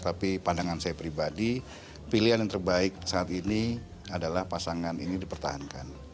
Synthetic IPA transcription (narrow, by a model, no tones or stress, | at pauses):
t̪apipandaŋansajapɾibadi | piliɦanjaŋt̪ərbaɪk̚saat̪ini | adalahpasaŋaninidipərt̪a̰hanka̰n